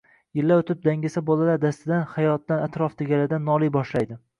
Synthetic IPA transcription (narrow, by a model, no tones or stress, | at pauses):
jɪlːaɵt̪ʰɪp̚d̪aŋɡʲɪsabɒlˠalaɾd̪ast̪ʰɪd̪anhajɒt̪̚ːanat̪ɾɒfd̪eɡʲanɪd̪anːɒlˠijbɒʃlajd̪ɪ